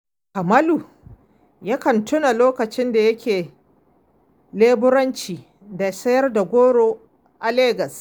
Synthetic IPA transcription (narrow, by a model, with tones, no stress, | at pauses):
kɐ˨mɐ˦luː˨ | ja˦kɐ˨ntʰʊ˦na˨loː˦kɐ˨t͡ʃɪ˦nda˨jɐ˦kʲʰeː˨ | leː˦bʊ˦ɾɐ˦nt͡ʃiː˨ | da˨sɐ˦jɐ˦rda˨ɡʷoː˦ɽoː˨ | ʔa˨leː˦ɡɐ˨s